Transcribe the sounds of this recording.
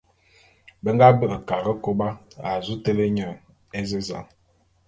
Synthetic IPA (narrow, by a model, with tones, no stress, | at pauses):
bə˦ŋɡa˦bə˦ə˨ka˨ɣə˦ko˦ba˦a˨zu˦tə˦lə˦ɲə˨ | e˦zə˦za̰˨ŋ